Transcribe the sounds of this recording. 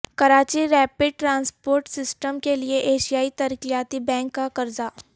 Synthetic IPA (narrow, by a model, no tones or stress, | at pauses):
kɐɾaːt͡ʃiɾɛːpɪɖ̚ʈɾãːnspoːɾʈsɪsʈəmkelieʔeːʃijaːit̪ɐɾkijaːt̪ibɛ̃ːŋkːakɐɾzaː